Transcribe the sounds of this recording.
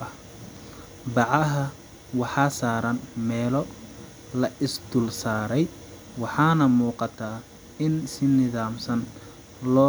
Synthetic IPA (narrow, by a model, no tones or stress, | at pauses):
ɐ | bɑʕɑɦɐ | wɑħɑːsaːɾɐnmɛːlɔ | lɐʔɪsd̪̥ʊlsaːɾɛj | wɑħɑːnɐmuːqɑt̪ʰaː | ɪnsɪnɪðaːmsɐn | lɔː